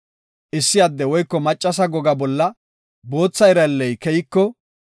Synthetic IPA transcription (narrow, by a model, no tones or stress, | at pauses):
ʔɪsːɪjad̪ːɛwɔjkːɔmɐt͡ʃʼːɐsɐɡɔɡɐbɔlːɐ | bo̞ːt͡sːɐɪɾɐlːɛjkɛjɪkːɔ